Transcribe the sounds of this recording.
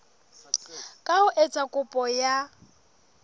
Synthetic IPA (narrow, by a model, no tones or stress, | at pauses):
kʼaʊʔet͡sʼakʼʊpʼɔja